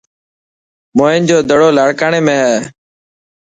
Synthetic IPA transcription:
moːɪːnd͡ʒoːd̪ʱəɽoːlaːɽkaːɳeːmẽːɦɛː

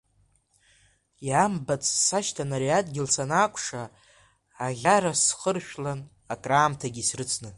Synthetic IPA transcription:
jambat͡sʼsaʃtʰanaɾiatʼɡʲɪlsanaːkʷʼʰʂaː | ʁʲaɾasχərʃᶣlan | akʼraːmtʰaɡʲisrɨt͡sʰʼnɨ

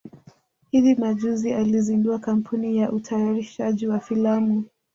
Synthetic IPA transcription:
hiðimaʄuzializinduakam̩pʰunijaʔutʰajaɾiʃaʄiwafilamu

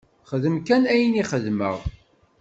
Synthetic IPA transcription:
χəðəmkænæjniχəðmə̰ʁ

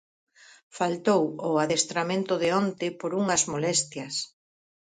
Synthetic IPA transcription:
falt̪owʊaðest̪ɾamẽnt̪ʊðɪont̪ɪpoɾuŋɐzmolɛst̪jɐs

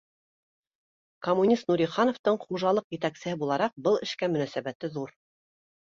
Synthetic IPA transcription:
komːunʲist̪nuɾʲiχɑnŏft̪ɤɴχuʒɑlˠɤqjɘ̆t̪æksɘ̆hɘbulˠɑɾɑq̚bɤlˠɘ̆ʃkæmɵ̆næsæβæt̪ɘðuɾ

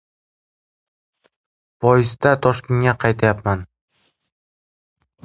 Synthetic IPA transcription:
pʰɒjɪzd̪at̪ʰɒʃkʲɪŋaqʰɑjt̪ʰajapman

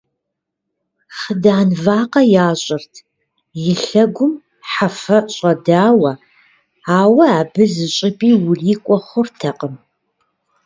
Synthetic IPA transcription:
χədaːnvaːqɐjaːɕʼɪrtʰ | jɪɬɐɡʷʊm | ħafɐɕʼɐdaːwɐ | aːwɐaːbɨzɨɕʼɪpʼiːwʊɮiːkʷʼɔχʷʊrtʰɐqəm

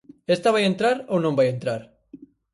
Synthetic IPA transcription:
est̪aβajent̪ɾaɾownõmbajẽnt̪ɾaɾ

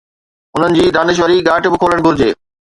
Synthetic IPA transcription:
ʊn̤ənɪ̆d͡ʑiːd̪aːnɪʃ̬ʋəɾiɡaːʈbɪkʰoːləɽ̃ɡʱʊɾd͡ʑeː

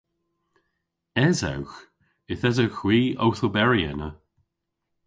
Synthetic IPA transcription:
ɛza̰wx | ɪθɛzawxwiːo̰wθəbɛɹiɛ̰nə

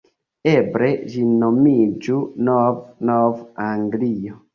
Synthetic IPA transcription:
ebɾed͡ʒinomid͡ʒunɔvnɔvaŋɡliɔ

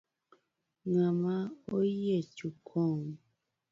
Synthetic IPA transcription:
ŋamaojet͡ʃukʰɔŋ

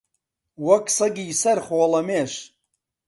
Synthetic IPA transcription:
wɐksɐɡiːsɐɾχoːlɐmeːʃ

